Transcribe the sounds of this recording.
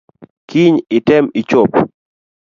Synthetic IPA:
kiɲɪtɪmɪt͡ʃop

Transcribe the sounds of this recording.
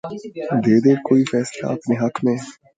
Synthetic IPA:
d̪eːd̪eːkoːifɛːsla̰əpneːɦɐkʰmẽː

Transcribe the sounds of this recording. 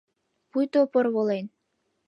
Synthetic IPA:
pujt̪opɤrβolen

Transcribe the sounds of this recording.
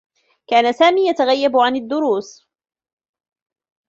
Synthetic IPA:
kaːnasaːmiːjat̪aɣajːabʕanɪd̪ːʊɾuːs

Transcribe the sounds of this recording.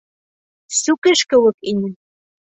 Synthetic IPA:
sukɘ̆ʃkɘ̆wɤ̆kinʲɘ̆

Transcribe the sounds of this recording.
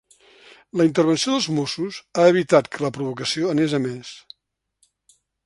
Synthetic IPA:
ləint̪ərβənsioðəlˠzmosuzaəβ̞it̪at̪kʰələpɾuβukəsioənezəmɛs

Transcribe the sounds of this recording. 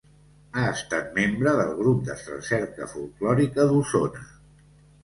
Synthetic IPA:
aəst̪at̪̚membɾəðəlˠɣ̞ɾup̚d̪əsə̰sɛɾkə̰fulˠklɔɾikəðusonə

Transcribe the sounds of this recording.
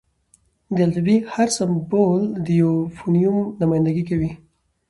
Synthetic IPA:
d̪alt̪abihaɾsambold̪əjawfunijumnʊmajnd̪aɡikawi

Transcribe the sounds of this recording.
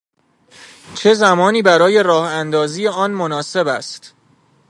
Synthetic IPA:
t͡ʃʰe̞zæmɒːniːbæɾɒːje̞ɾɒːhænd̪ɒːziːje̞ɒːnmonɒːse̞bæst̪

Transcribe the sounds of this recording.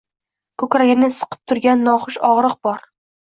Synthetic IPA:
kʰɵkɾaɡʲɪnɪsɨ̥qʰɨ̥p̚t̪ʰʊɾɡʲanːɒχʊʃɒʁɾɨq̚bɒɾ

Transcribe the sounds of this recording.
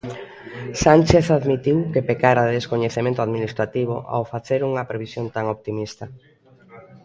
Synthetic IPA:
sant͡ʃeθaðmit̪iwkepekaɾaðeskoɲeθemẽnt̪oaðminist̪ɾat̪iβ̞o̰ʔa̰wfaθeɾuŋɐpɾeβisjont̪aŋopt̪imist̪ɐ

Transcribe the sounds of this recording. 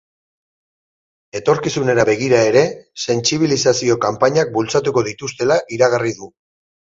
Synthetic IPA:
e̞t̪o̞ɾkisune̞ɾaβe̞ɣ̞iɾae̞ɾe̞se̞nt͡siβ̞ilisasio̞kampaɲak̚bult͡sat̪uko̞ð̞it̪ust̪e̞laʔiɾaɣariðu

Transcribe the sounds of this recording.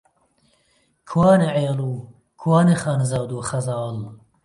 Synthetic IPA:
kʰwaːneʕeːluː | kʰwaːneχaːnzaːwd̪uːχɐzɑːl

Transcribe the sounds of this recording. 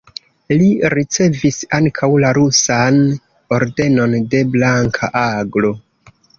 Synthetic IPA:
liɾit͡se̞visaŋkʰawlaɾusan | o̞ɾde̞no̞nde̞blaŋkʰa̰ʔaɡlo̞

